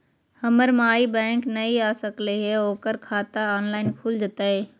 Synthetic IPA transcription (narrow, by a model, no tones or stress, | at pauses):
hɐməɾmaːibɛ̃ːŋknɐiaːsəkleɦeoːkəɾkʰaːt̪aaːnlaːɪnkʰʊːld͡ʒət̪aːɦeː